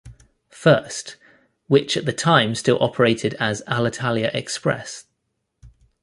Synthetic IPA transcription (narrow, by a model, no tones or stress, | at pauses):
fɜˑst | wɪt͡ʃəʔðətʰãɪ̃mstɪlˠʔɒ̰pʰəɹeɪtʰɪdəzalətʰaljəʔɛkspɹɛ̰s